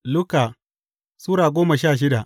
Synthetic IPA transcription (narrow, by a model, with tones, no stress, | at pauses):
lʊ˦ka˨ | suː˦ɾaː˨ɡʷoː˦ma˨ʃaː˦˨ʃ̬ɪ˦da˨